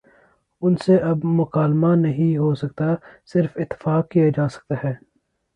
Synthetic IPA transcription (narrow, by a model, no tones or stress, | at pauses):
ʊnseʔɐbmʊkaːlmanɐɦĩɦosɐkt̪asɪɾfɪt̪ːɪ̥faːkːijad͡ʒaːsɐ̥k̚t̪aɦɛː